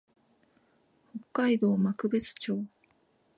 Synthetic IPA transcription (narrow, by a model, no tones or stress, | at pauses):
ho̞kːaid̪o̞ːmakɯ̟bet͡sɨ̥t͡ɕo̞ː